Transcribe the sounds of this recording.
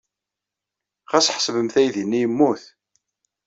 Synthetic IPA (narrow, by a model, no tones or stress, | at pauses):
ʁæsħsvəmθæjðinːijəmːuθ